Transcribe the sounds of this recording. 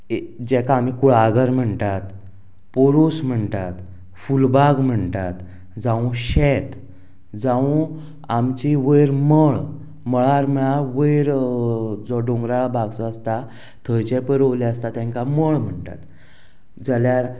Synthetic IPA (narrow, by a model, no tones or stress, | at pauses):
d͡ʑɛkaːmikuɭaɡəɾm̤əɳt̪at̪ | poɾusm̤əɳt̪at̪ | fulbaɡm̤əɳt̪at̪ | d͡zãũɕɛt̪ | d͡zãũ | amt͡ɕiʋəjɾməɭ | məɭaɾm̤əɭaʋəjɾ | d͡zɔɖõŋɡɾaɭabʱaɡt͡sɔəst̪a | t̪ʰəjt͡ɕepəɾəʋlɛəst̪at̪ɛ̃ŋkaməɭm̤əɳʈ̪a̰t̪ | d͡zaljaɾ